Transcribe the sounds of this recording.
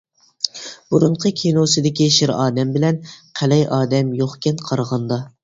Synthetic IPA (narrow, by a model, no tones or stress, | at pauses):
buɾuɴqʰəkʲʰinosɨd̪ɪkʲiʃɪɾɑːd̪ɛmbɪlɛnqʰælɛjʔɑːd̪ɛmjoχkʲɛnqʰɑɾʁɑnd̪ɑ